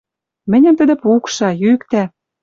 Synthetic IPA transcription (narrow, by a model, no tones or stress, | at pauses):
mɘ̆nʲɘ̆mt̪ə̆d̪ĕpukʃɑjykt̪æ